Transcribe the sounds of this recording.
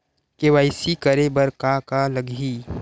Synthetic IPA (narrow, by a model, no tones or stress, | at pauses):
keʋaɪsikəɾebɐɾkakalɐɡʱiː